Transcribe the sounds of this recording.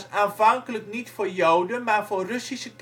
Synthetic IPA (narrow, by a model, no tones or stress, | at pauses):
saːnvɑŋkələknitfoːrjowdənmaːrvoːrøsisət